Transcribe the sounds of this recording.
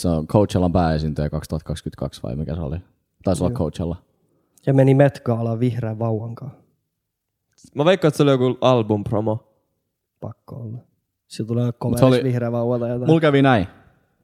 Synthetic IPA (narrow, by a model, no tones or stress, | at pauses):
seoŋkʰout͡ʃɑlːɑmpæːesint̪øjɑkɑkst̪uhɑt̪̚kɑkskyt̪̚kɑ̰ksʋɑ̰imikæseo̰li | t̪ɑˑisolːɑkʰout͡ʃɑlːɑ | sɑmenimet̪kɑɑlɑʋihreʋʋɑuwɑŋkɑː | mɑʋeikːɑet̪seolijokuɑlbumpromo | pɑ̰kːo̰olːɑ | silt̪uleːkomeolsiʋihreːʋɑuwɑt̪ɑjɑt̪mulkæʋinæi